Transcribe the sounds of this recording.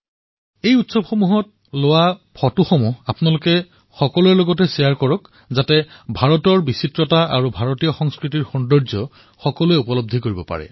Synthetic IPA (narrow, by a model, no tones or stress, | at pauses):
ejutsɔbxomuɦɔt̚ | lowapʰɔtuxomuapnalʊkɛ | xɔkɔlueloɡɔtɛsijaɹkɔɹɔk | zatɛbʱaɹɔtɔɹbisitɹɔtaʔaɹubʱaɹɔtijɔxɔŋskɹitiɹxɔndɔɹzɔ | xɔkɔluɛupɔlɔb̚d̪ʱikoɹibɔpa̰ɹɛ̰